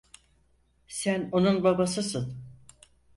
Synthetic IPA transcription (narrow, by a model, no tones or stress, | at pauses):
sæno̞nunbabasɯsɯn